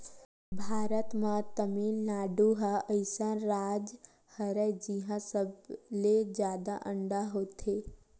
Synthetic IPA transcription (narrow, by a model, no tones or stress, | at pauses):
bʱaːɾət̪mãt̪əmiːnlaːɖuɦaəɪsənɾaːd͡ʒ | həɾəd͡ʒiɦãsəbled͡ʒjaːd̪aʔə̃ɳɖaɦoːt̪ʰeː